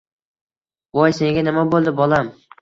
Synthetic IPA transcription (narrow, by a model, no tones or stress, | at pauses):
wɒjse̞ŋɡʲanɪmabolˠd̪ɪbɒlˠam